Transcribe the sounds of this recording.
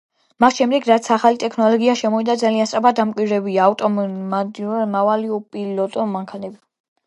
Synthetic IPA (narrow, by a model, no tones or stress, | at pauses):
masʃɛmd̪ɛɡɾat̪sʰaχalit̪ʼɛkʰnɔlɔɡiaʃɛmɔid̪ad̪zaliansʼɾapʰad̪̚d̪ːamkʼwiɾɛbiaːft̪ʼɔamavaliɔpʼilɔt̪ʼɔmaŋkʰanɛbi